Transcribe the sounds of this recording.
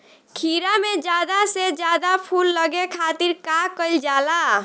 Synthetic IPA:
kʰiɾamẽd͡ʒjaːd̪ased͡ʒjaːd̪apʰulːəɡekʰaːt̪iɾkakəld͡ʒaːla

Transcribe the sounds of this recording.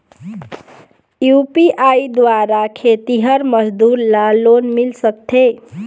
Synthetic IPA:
jupiʔaid̪waɾakʰet̪iɦəɾməd͡ʒd̪uɾlalonmilsəkt̪ʰe

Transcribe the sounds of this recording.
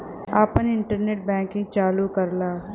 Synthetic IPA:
aːpənɪ̃ɳʈəɾneːʈ̚bɛ̃ːŋkĩt͡ʃaːlukəɾlaː

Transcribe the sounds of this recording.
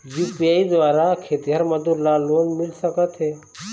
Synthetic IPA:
juːpiaːid̪ʋaːɾakʰeːt̪iɦəɾmɐd̪uɾlaːlonmɪlsəkət̪ɦɛː

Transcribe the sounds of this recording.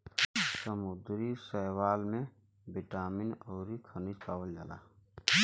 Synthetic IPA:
səmʊd̪ɾisəwaːlmẽ | bɪʈaːminɔːɾikʰənid͡ʒpaːwəld͡ʒa̰ːla̰ː

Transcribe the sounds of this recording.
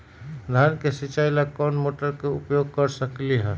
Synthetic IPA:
d̪ʱaːnkesit͡ʃaːjlakɔːnmoːʈəɾkeʊpjoːɡ̚kəɾsəkliɦɛ̃ː

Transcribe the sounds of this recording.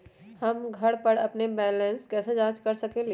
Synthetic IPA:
hɐmɡʱɐɽpɐɾɐpnebɛːlə̃nskɛːsed͡ʒãːt͡ʃkɐɾsɐkeli

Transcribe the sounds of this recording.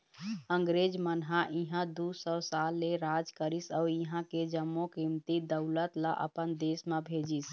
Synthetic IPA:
əŋɡɾed͡ʒmənɦãʔiɦãd̪usɔsalːeɾad͡ʒkəɾisaʊiɦãked͡ʒəmːokimt̪id̪əʊlət̪la̰ʔə̰pənd̪esmebʱed͡ʒis

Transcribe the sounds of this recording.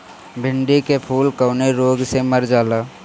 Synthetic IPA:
bʱɪɳɖikepʰuːlkəːneɾoːɡseməɾd͡ʒaːlaː

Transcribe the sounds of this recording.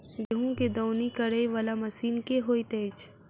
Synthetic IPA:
ɡeɦũked̪ɔʊnikɐɾəjʋalamɐsiːnkeɦoːit̪eːt͡ʃ

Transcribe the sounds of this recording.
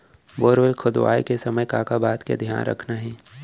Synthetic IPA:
boːɾʋelkʰʊd̪ʋa̰ːjkesɐməjkaːkabaːt̪kḛd̪ʱja̰ːnɾɐ̰kʰnaɦɛː

